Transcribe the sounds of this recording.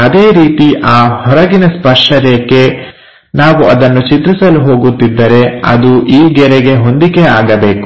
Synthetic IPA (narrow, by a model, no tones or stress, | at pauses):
ɐd̪e̞ːɾiːt̪iʔaːhɔɾɐɡinɐspɐʂʈɐɾekːe̞ | naːʋuʔɐd̪ɐnːut͡ʃit̪ɾisɐluɦo̞ːɡut̪ːid̪ːɐɾe̞ɐ̰d̪uʔiːɡɛɾɛɡe̞ɦo̞nd̪ikeaːɡɐbe̞ːku̥